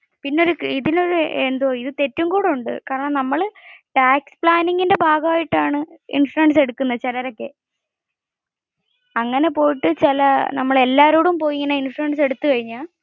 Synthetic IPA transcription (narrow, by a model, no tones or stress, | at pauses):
pinːeo̞ɾukiðilo̞ɾuend̪oːiðɨt̪e̞tːumkuːɽuɳɖɨ̰kaːɾɐɳɐmnɐmːɐɭʈaːkspɭaːniŋɡinde̞bʱaːɡɐaːjiʈːaːɳɨḭnʂʈumeɳɖɨse̞ɽukːunːɐt͡ɕɐlɐɾo̞kːe̞ | ɐŋːɐne̞po̞ːjiʈːɨt͡ɕilɐnɐmːɐɭe̞lːaːɾoːɽumpo̞ːjiŋːɐnɐinsʈumeɳɖɨse̞ɽut̪ːukɐɻiɲːa